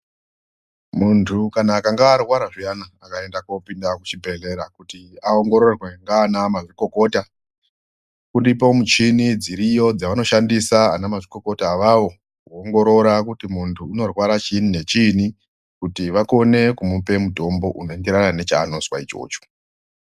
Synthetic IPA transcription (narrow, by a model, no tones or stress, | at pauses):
muntʰukanaːkaŋɡaːrwaɾaʐijanaːkae̞ndako̞pindakut͡ʃibʱeɮe̞ɾakutiao̞ŋɡo̞ɾo̞rwe̞ŋɡaːnamaʐiko̞ko̞ːta | kundipo̞mut͡ʃinid͡ziɾijo̞d͡zaʋano̞ʃandisaa̰namaʐiko̞ko̞taːʋaʋo̞ | kuoŋɡo̞ɾo̞ɾakutimuntʰuːno̞rwaɾat͡ʃinine̞t͡ʃini | kutiʋako̞ne̞kumupe̞muto̞mbo̞ʔuno̞ende̞ɾanane̞t͡ʃaːno̞swa̰it͡ʃo̞̰ːt͡ʃo̥